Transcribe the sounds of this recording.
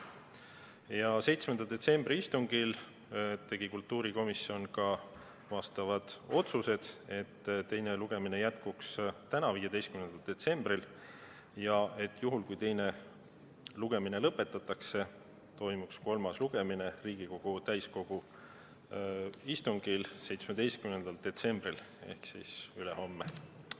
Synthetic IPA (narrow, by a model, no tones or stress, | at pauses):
jɑse̞jt̪smend̪ɑld̪̥e̞t̪se̞mb̥ɾiist̪uŋɡ̥il | t̪e̞ɡ̥ikult̪ːuːɾiko̞misio̞nkɑ | vɑst̪ɑvɑd̪̥o̞t̪suse̞d̪̥e̞t̪ːt̪ːe̞jneluɡ̥e̞mine̞jæt̪kukst̪ænɑviːjed̪e̞jst̪kymnend̪̥ɑld̪̥e̞t̪se̞mb̥ril | jɑet̪ːˑjuɦulkujt̪e̞jne̞ | luɡ̥e̞minelɤpːˑe̞t̪ːˑɑt̪ːˑɑkse̞ | t̪o̞jmuksko̞lmɑsluɡ̥e̞mine̞riːɡ̥iko̞ɡ̥ut̪æjsko̞ɡ̥u | ist̪uŋɡ̥ilse̞jt̪smed̪̥e̞jst̪kymne̞nd̪ɑld̪̥e̞t̪se̞mb̥ril | e̞̰hksḭsyleho̞mːe